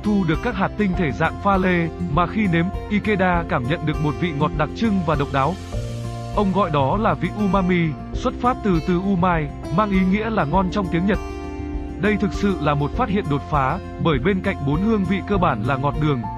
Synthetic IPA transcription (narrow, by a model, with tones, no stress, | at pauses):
t̪ʰu˧ɗɨ˨˩əkːaː˦˥k̚ɦhaː˨˩t̚t̪ï˧ŋ̟t̪ʰe˧˩za̰ː˧˨ŋfaː˧le˧maː˨˩xi˧ne˨˦mʔi˧ke˧ɗaː˧kaː˧˩mɲə̰˧˨nɗɨ˨˩ək̚mo˨˩t̚vḭ˧˨ŋɔ˨˩t̚ɗa˨˩k̚t͡ɕɨ˧ŋvaː˨˩ɗə̰˨wk͡pɗaː˨˦w | ʔə˧wŋ͡mɣɔ̰˧˨jɗɔ˨˦laː˨˩vḭ˧˨ʔu˧maː˧mi˧ | swə˦˥t̚faː˦˥p̚t̪ɨ˨˩t̪ɨ˨˩ʔu˧maː˧j | maː˧ŋʔi˨˦ŋḭ˧˥əlaː˨˩ŋɔ˧nt͡ɕɔ˧wŋ͡mt̪i˨˦əŋɲə˨˩t̚ | ɗə˧jt̪ʰɨ˨˩k̚sɨ̰˧˨laː˨˩mo˨˩t̚faː˦˥t̚hḭ˧˨ənɗo˨˩t̚faː˨˦ | ɓəː˧˩jɓe˧nka̰˧˨jŋ̟ɓo˨˦nhɨ˧əŋvḭ˧˨kəː˧ɓaː˧˩nlaː˨˩ŋɔ˨˩t̚ɗɨ˨˩əŋ